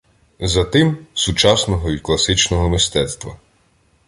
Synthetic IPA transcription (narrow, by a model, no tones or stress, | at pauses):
zɐt̪ɪmsut͡ʃɑsnɔɦɔʋʲid̪ʲklˠɐsɪt͡ʃnɔɦɔmɪst̪ɛt̪st̪ʋɐ̰